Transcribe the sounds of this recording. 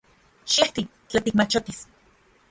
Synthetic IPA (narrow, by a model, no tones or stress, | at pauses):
ʃeht̪i | t͡ɬat̪ikmat͡ʃot̪is